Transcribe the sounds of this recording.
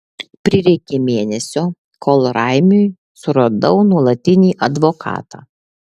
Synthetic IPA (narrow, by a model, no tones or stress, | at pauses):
pʲɾʲɪɾʲɛɪkʲemʲeːnʲɛsʲoː | kʰoːlˠɾɑɪmʲʊj | sʊɾɐd̪ɒʊnuɔlˠɐt̪ʲɪnʲiːʔɐd̪ʋokʰɑ̰ːt̪ɑ̰ː